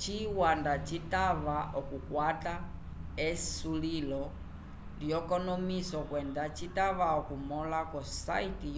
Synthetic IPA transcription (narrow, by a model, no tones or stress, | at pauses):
t͡ʃiwandat͡ʃitaʋaɔkukwata | ɛsulilɔ | ljɔkɔnɔmisɔkwɛndat͡ʃitaʋaɔkumɔlakɔsa̰iti